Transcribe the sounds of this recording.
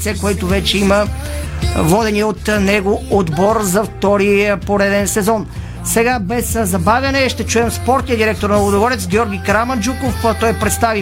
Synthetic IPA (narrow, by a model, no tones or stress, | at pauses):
t̪sɛkoɛt̪ʊvɛt͡ʃɛimə | vɔd̪ɛniot̪nɛɡood̪bɔɾzɐft̪ɔɾipoɾɛd̪ɛnsɛzɔn | sɛɡabɛszɐbavʲɐnɛʃt̪ɛt͡ʃuɛmspɔɾt̪nʲiəd̪iɾɛk̚t̪oɾnɐlˠod̪oɡɔɾɛt̪sɡʲjɔɾɡʲikɾamɐnd͡ʒukoft̪ɔjpɾɛt̪st̪avi